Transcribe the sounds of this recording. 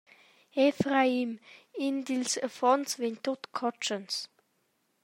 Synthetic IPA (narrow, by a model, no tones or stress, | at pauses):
ɛfʁaimɪnd̪ilsəfɔnsvent̪ʊt̪kʰɔt͡ʃəns